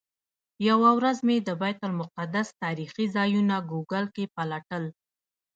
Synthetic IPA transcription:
jawawɾazmed̪əbɑjt̪almʊqad̪ast̪ɑɾixizɑjunaɡuɡəlkepalaʈəl

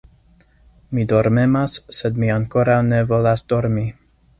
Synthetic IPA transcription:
mid̪o̞ɾme̞masse̞d̪miaŋko̞ɾawne̞vo̞lasd̥̪o̞ɾmi

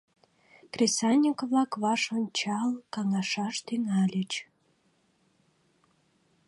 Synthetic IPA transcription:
krʲesɑnʲikβlɑkβɑʃont͡ɕɑlkɑŋɑʃɑʃt̪yŋælʲət͡ɕ

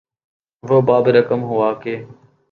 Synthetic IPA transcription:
ʋoːbaːbɾəkəmɦʊaːkeː

